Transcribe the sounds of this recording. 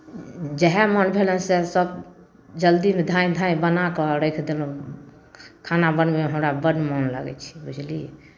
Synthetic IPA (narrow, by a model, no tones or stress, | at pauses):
d͡ʒɛɦɛmɔnbʱelɛnsesəb | d͡ʒəld̪imed̪ʱãĩd̪ʱãĩbənakɔɾəkʰd̪elũ | kʰanabənbeɦəmɾabəɖmɔnlə̰ɡɛ̰t͡ʃʰi̥bud͡ʒʰli